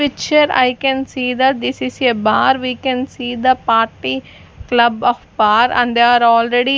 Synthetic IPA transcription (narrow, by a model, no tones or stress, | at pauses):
ɪt͡ʃəɾa̰jkɛ̃nsiːd̪ɐʈ̚d̪isisebaːɾʋikɛ̃nsiːd̪əpaːɾʈi | klɐbɔːfbaːɾæ̰̃ɳɖd̪eaɾɔːlɾeɖi